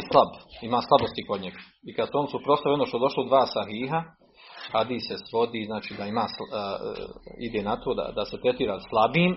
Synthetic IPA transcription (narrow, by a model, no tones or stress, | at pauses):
slˠabimaːslˠabost̪iko̞d̪ɲeɡ | ikad̪suo̞nsupɾo̞saʋio̞noʃt̪od̪o̞ʃlˠod̪ʋaːsaɦiːɦa | had̪iːsesʋo̞d̪iːznaːt͡ʃiːd̪aimaːs | ḭd̪eːnat̪ʰoːd̪a̰d̪ase̞t̪ɾest̪iːɾaslˠabiːm